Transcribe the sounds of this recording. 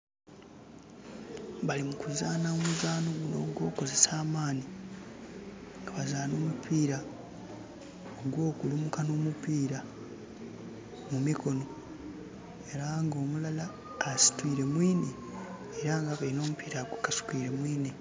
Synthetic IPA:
βalimukuzaːnaomuzaːno̞ɡuno̰ːɡwo̞ːko̞ze̞saːmaːni | ŋɡaβazaːno̞ːmupʰiːɾa | ɡwo̞ːkulumukano̞ːmupiːɾa | mumikʰo̞no̞ | e̞ɾaŋɡo̞ːmulalaː | si̥twiːɾe̞mwiːne | eɾaŋɡaβalino̞ːmupiːɾaɡukasu̥kwiːɾe̞mwiːne

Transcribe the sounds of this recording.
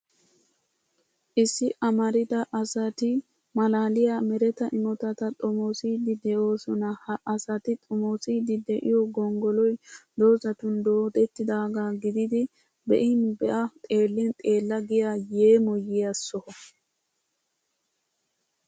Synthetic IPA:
ʔɪsːɪʔɐmɐɾɪd̪ɐʔɐsɐt̪ɪ | mɐlaːlɪjamɛɾɛt̪ɐʔɪmɔt̪ɐt̪ɐt̪ʼɔmoːsiːd̪ɪd̪ɛʔo̞ːsɔnɐhɐʔɐsɐt̪ɪt̪ʼɔmoːsiːd̪ɪd̪ɛʔɪjɔɡɔŋɡɔlɔjd̪oːzɐt̪ʊnd̪oːt̪ɛt̪ːɪd̪aːɡaːɡɪd̪ɪd̪ɪ | bɛ̰ʔɪnbɛʔɐt̪ʼe̞ːlːɪnt̪ʼe̞ːlːɐɡɪjajeːmɔjɪjɐsːɔhɔ

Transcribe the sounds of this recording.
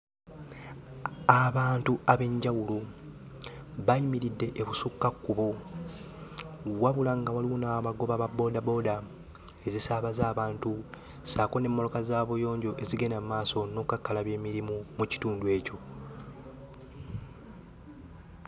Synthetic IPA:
aβaːntuaβe̞ɲɟawulu | βaimiɾidːe̞ʔeβusukːakːuβo | waβulaŋɡawaliunaːβaɡo̞βaβabo̞ːdabo̞ːda | e̞zisaβazaːβaːntu | saːkone̞mːo̞lo̞kazaːβujo̞ːɲɟo̞ʔe̞ziɡe̞namaːso̞no̞kukakːalaβje̞ːmiɾimumuci̥tuːndue̞ːco̞

